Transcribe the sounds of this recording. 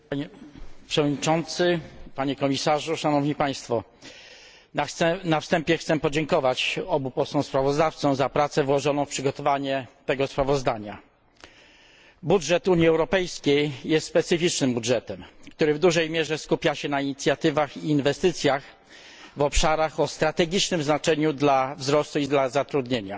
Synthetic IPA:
apʂɛvɔd̪ɲit͡ʂɔnt̪sɘpaɲɛkɔmʲisaʐuʂanɔvɲipaj̃st̪fɔ | ɛnafst̪ɛmpʲjɛxt̪sɛpɔd͡ʑɛŋkɔvat͡ɕɔbupɔsɔ̃w̃spɾavɔzd̪aft̪sɔ̃w̃zapɾat̪sɛvwɔʐɔnɔ̃w̃fpʂɘɡɔt̪ɔvaɲɛt̪ɛɡɔspɾavɔzd̪aɲa̰ | budʐɛt̪uɲjiɛwɾɔpɛjskʲejjɛst̪spɛt̪sɘfʲit͡ʂnɘmbudʐɛt̪ɛmkt̪uɾɘvd̪uʐɛjmʲjɛʐɛskupʲjaɕɛnaiɲit̪sʲjat̪ɘvaxiːnvɛst̪ɘt̪sʲjax | vɔpʂaɾaxɔst̪ɾat̪ɛɡʲit͡ʂnɘmznat͡ʂɛɲud̪lavzɾɔst̪uid̪lazat̪ɾud̪ɲeɲa

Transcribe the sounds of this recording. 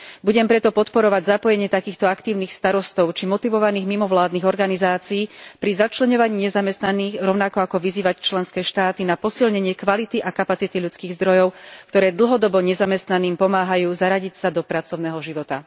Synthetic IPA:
buɟɛmpɾɛt̪ɔpɔt̪pɔɾɔʋaɟzapɔjɛɲɪɛt̪akiːxt̪ɔakt̪iːʊniːxst̪aɾɔst̪ɔʊt͡ʃimɔt̪iʋɔʋaniːɣmimɔʋlaːd̪niːɣɔɾɡanizaːt͡siiːpɾizat͡ʃlɛɲɔʋaɲiːɲɛzamɛst̪naniːɣɾɔʊnakɔakɔʋiziːʋact͡ʃlɛnskɛːʃt̪aːt̪inapɔsilɲɛɲɪɛkʋalit̪iʔakapat͡sit̪iʎut͡skiːɣzd̪ɾɔjɔʊkt̪ɔɾɛːd̪l̩ɦɔd̪ɔbɔɲɛzamɛst̪naniːmpɔmaːɦajuːzaɾaɟicsad̪ɔpɾat͡sɔʊnɛɦɔʒiʋɔt̪a̰

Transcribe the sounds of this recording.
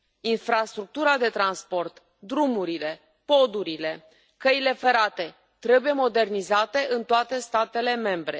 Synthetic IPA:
infɾast̪ɾuk̚t̪uɾad̪e̞t̪ɾanspo̞rt̪ | d̪ɾumuɾile̞ | po̞d̪uɾile̞ | kəile̞fe̞ɾat̪e̞ | t̪ɾe̞buje̞mo̞d̪e̞rnizat̪e̞ʔɨnt̪oat̪e̞st̪at̪e̞le̞me̞mbɾe̞̰

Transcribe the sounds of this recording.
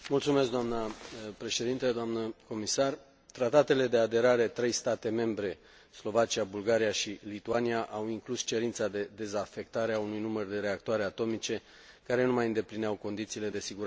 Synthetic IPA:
mult̪sumesk̚d̪oamnəpɾe̞ʃe̞d̪int̪ed̪oamnəko̞misar | t̪ɾat̪at̪e̞le̞d̪ead̪e̞ɾaɾe̞t̪ɾe̞jst̪at̪e̞me̞mbɾe̞ | slo̞vat͡ʃiabulɡaɾijaʃilit̪uaniaʔawiŋklust͡ʃe̞ɾint̪sad̪e̞d̪e̞zafe̞k̚t̪aɾeaunujnumərd̪e̞ɾe̞akt̪oaɾe̞at̪o̞mit͡ʃe̞ | kaɾe̞numajɨnd̪e̞plineawko̞nd̪it̪siːle̞d̪e̞siɡuɾ

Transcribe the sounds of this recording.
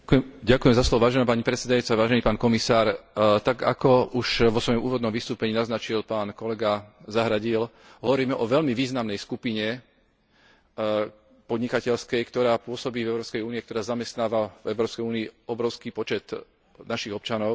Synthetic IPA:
ɟakujɛmzaslɔʋɔʋaːʒɛnaːpaɲipɾɛt̪sɛd̪ajut͡saʋaːʒɛniːpaːnkɔmisaːɾt̪aɡa̰kɔuʃʋɔsʋɔjɔmuːʋɔd̪nɔmʋist̪uːpɛɲiːnaznat͡ʃilpaːnkɔlɛɡazaɦɾaɟil | ɦɔʋɔɾiːmɛʔɔʋɛʎmiʋiːznamnɛjskupiɲɛ | pɔd̪ɲikacɛʎskɛjkt̪ɔɾaːpʊɔsɔbiːvɛʊɾɔːpskɛjuːniɛkt̪ɔɾaːzamɛst̪naːʋavɛʊɾɔːpskɛjuːniːɔbɾɔʊskipɔt͡ʃɛt̪ | naʃiɣɔp̚t͡ʃanɔʊ

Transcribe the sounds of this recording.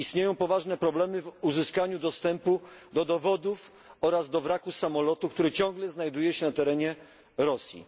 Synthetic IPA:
ist̪ɲejɔ̃w̃pɔvaʐnɛpɾɔblɛmɘvuzɘskaɲud̪ɔst̪ɛmpud̪ɔd̪ɔvɔd̪uf | ɔɾazd̪ɔvɾakusamɔlɔt̪ukt̪uɾɘt͡ɕɔ̃ŋɡlɛznajd̪ujɛɕɛnat̪ɛɾɛɲɛ | ɾɔsʲjḭ

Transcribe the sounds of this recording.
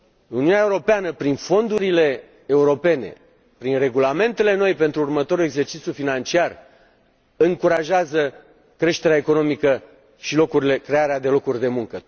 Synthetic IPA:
uniuneae̞uɾo̞peanəpɾinfo̞nd̪uɾile̞ː | uɾo̞pe̞ne̞̰ | pɾinre̞ɡulame̞nt̪e̞le̞no̞jpe̞nt̪ɾuːrmət̪o̞ɾuleɡze̞rt͡ʃit̪sʲjufinant͡ʃiar | ɨŋkuɾaʒeazə | kɾe̞ʃt̪e̞ɾeaekono̞mikə | ʃilo̞kuɾile̞kɾe̞aɾead̪e̞lo̞kurʲd̪e̞muŋkə

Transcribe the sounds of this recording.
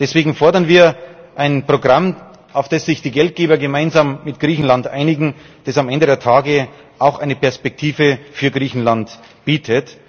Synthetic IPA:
d̥ɛsv̥eːɡŋ̩fɔɐdɐnviːɐʔaɪnpʁ̥oɡʁam | ʔaʊfd̥esz̥ɪçd̥iːɡɛlt̚ɡ̥eːbɐɡemaɪnzaːmːɪtɡ̥ʁiːçn̩lantʔa̰ɪnɪɡŋ̩ | d̥ɛsamʔɛndədeːɐtʰaːɡə | ʔaʊxʔaɪnəpʰɛɐspɛk̚tʰiːvəfyːɐɡʁiːçn̩lant | b̥iːtʰət

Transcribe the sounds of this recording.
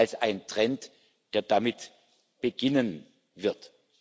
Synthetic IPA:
lsʔaɪntʁ̥ɛnt | d̥eːɐdamɪt | b̥əɡɪnən | vɪɐt

